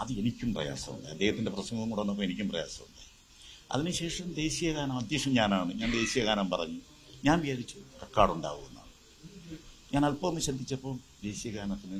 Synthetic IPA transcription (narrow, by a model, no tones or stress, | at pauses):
ɐðɨe̞nikʲːumprɐ̰ja̰ːsɐmṵɳɖɨ̰ɐd̪ːe̞ːhɐt̪ːinde̞prɐsɐŋɡɐumkuɽɐnːɐp̬ːoːenikʲːumprɐja̰ːsɐmuɳɖɨ | ɐ̰ðinɨɕe̞ːʂɐmd̪e̞ːɕijɐɣaːnɐmɐd̪ʱjɐkʂɐmɲaːnaːɳɨɲaːnd̪e̞ːɕijɐɣaːnɐmpɐrɐ̰ɲːu | ɲaːnʋijaːɾit͡ɕːɨrekːaːɽuɳɖa̰ːɣuɣunːa̰ːɳɨ | ɲaːnɐlpɐnːɨɕɐd̪ʱːit͡ɕːɐpːo̞ːd̪e̞ːɕijɐɣaːnɐt̪ːinːi